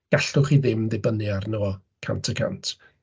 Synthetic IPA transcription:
ɡ̥aɬʊχiðɪmðɪbənɨarnəwɔ | kʰa̰ntʰəkʰa̰ntʰ

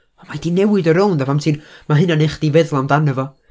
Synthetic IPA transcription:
amadinɛwɨdəɾowndavamtʰinmaɦɨnaneχd̥ivɛðlˠandanəvɔ

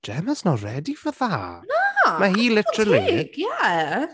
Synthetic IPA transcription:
d͡ʒ̥ɛməznɔrɛdifəðaamaɦiːlɪtəɾəlijæ

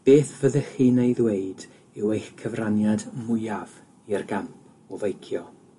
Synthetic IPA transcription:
b̥eːθvəðəχiːnejðweɨd | ɪwejxkʰəvranjadmʊjav̥ | iərɡamp̚ʰ | ɔvejkʰjɔ

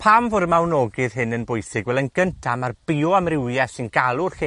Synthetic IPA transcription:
pʰaːmvoɾmawnɔɡɪð̥ɦɪnənbʊjsɪɡvɛlˠənɡ̥əntʰamarb̥iɔamrɪwjɛsɪnɡalˠʊrχi

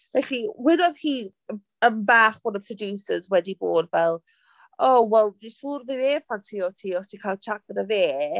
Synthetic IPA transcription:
vɛɬiwɪnɔðhiː | əmbaːχbɔnəpʰrɔdjusəzwɛdiboːdvɛlˠ | owɛlˠdisuːrveðe̥ːfantʰiɔtʰiɔstʰikʰalˠt͡ʃʰakəɾəðeː

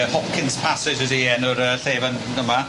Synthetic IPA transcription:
hɔpkʰɪnspʰasɪd͡ʒɛdiɛnɔɾəɬeːvan | dəma

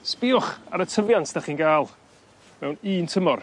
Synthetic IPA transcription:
spɪːʊχa̰ɾətʰəvjantʰd̥aχiːnɡaːlˠ | mɛwniːntʰəmɔr

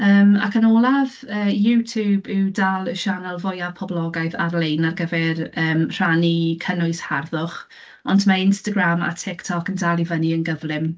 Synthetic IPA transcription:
əːma̰kʰanɔːlˠavəːjutʰubuwdalˠəʃanɛlˠvɔjapʰɔblˠɔɡajða̰rlejnarɡəvɛrəːmr̥anikʰənʊɨsharðʊχ | ɔndmaɪnstaɡrama̰tʰɪktʰɔkəndalˠivəniənɡəvlɪm

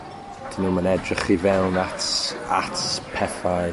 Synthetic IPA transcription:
d̥inuːmanɛdrɪχivɛlnatatpʰɛfaj

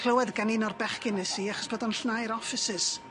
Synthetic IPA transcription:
lˠəwɛðɡaninɔrbɛχkɪnɛsiaχɔ̥sb̥odɔnɬnajɾɔfɪsɪs

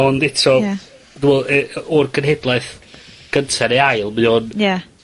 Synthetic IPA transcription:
ɔndɪtʰɔa | duwɛlˠɛɔrɡʰənɦedlˠajθɡ̥əntʰɛɾeajlˠmɨɔnja

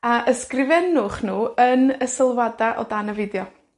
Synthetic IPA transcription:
aʔəskrɪvɛnʊχnuːənəsɪlˠwadaʔɔ̰danəvɪdjɔ

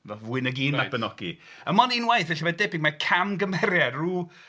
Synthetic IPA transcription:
nɔvwɪnəɡiːnab̥ənɔɡḭ | əmɔninwajθɛɬavɛdɛbɪŋmakʰamɡəmɛɾjaruː

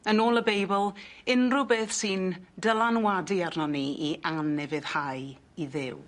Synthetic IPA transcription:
ənoːlˠəbejbəlˠɪnrʊbeːθsiːndəlˠanwadiarnɔniiʔanɛvɨð̥haj | iðɪw

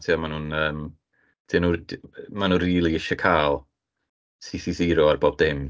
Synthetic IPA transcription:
tʰjɔmanuːnəːm | d̥ɪnumanunriːlˠiɪʃɔkʰaːlˠ | sisiziːɾɔarboːb̚dɪm

